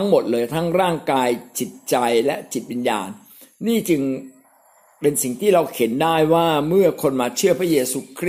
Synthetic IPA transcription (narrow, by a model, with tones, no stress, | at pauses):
a˦˥ŋmo˨˩t̪̚lɤː˧jt̪ʰa˦˥ŋɾaː˥˩ŋkaː˧jt͡ɕi˨˩t̪̚t͡ɕa˧jlɛ˦˥ʔt͡ɕi˨˩t̪̚wi˧nja̰ː˧nː | iː˥˩t͡ɕɯ˧ŋ | pe˧nsi˨˩ŋt̪ʰiː˥˩ɾa˧wkʰe˩˦ndaː˥˩jwaː˥˩mɯ˥˩ɐkʰo˧nmaː˧t͡ɕʰɯ˥˩ɐpʰɾa˦˥jeː˧suː˧kʰɾ